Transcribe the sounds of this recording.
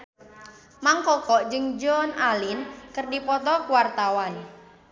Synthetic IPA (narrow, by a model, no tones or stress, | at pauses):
maŋkɔkɔʔd͡ʒɨŋd͡ʒɔnalɪnkərdipɔt̪ɔkuwart̪awan